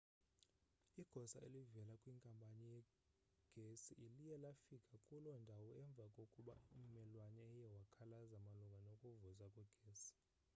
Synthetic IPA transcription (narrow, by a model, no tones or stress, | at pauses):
iɡ̥ʱɔsaḛlivɛlakʼwiŋkʼampʼanijɛ | ɡ̥ʱesiʔilijɛlafikʼakʼulɔndʱawɔɛɱb̪vʱakʼokʼuɓa̰um̩mɛlwanɛːjɛwakʰalazamaluŋɡʱanokʼuvuzakʼwɛɡ̥ʱeːsi̥